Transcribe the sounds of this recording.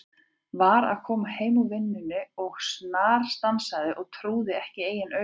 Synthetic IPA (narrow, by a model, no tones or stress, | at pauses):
vaɾa̰ðkʰɔːmaheːjmuvɪnːʏnʏɔɣsnaːɾ̥st̪ansaðɪʔɔɣt̪ʰɾuːðɪɛhcɪeːjɪnœ